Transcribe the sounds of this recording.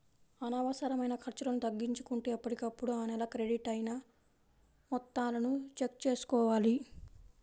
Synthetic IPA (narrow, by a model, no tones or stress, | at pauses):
ɐnɐʋɐsɐɾɐmɐjnɐkʰɐɾt͡ʃɐɾɐnut̪ɐɡːiɲt͡ʃu̥kuɳʈeːɐpːɐʈikɐpːuɽuaːnɛlɐkɾe̞ɽiʈɐjnaː | mɔt̪ːaːlɐnut͡ʃe̞k̚t͡ʃe̞ːsu̥kɔːʋaːli